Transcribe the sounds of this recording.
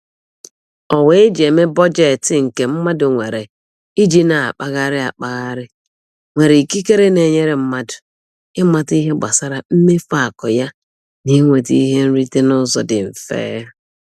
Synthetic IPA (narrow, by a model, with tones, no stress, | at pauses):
ɔ˨we˨˦e˦d͡ʒe˨me˦bɔ˦d͡ʒe˨tɪ˨ŋ̩˨ke˨m̩˦ma˦dʊ˨ŋʷe˨ɾe˨ | i˦d͡ʒi˦na˨a̰˨k͡pa˦ɣa˦ɾɪ˦a̰˨k͡pa˨ɣa˦ɾɪ˦ | ŋʷe˨ɾe˨ki˦ke˦ɾe˦ne˨ɲe˦ɾe˨m̩˦ma˦dʊ̥˨ | ɪ˦ma˦ti˦ɦe˦ɡ͡ba˨sa˦ɾa˦m̩˦me˦fa˦˨kɔ˨ja˦ | ni˦ŋʷe˨ti˦ɦe˦n̩˦ɾi˦te˦nʊ˦zɔ̰˨dɪ˨m̩˨fḛː˦ja˦